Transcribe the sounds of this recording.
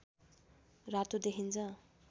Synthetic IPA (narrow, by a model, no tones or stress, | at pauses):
rat̪ud̪ekʰint͡sʰʌ̃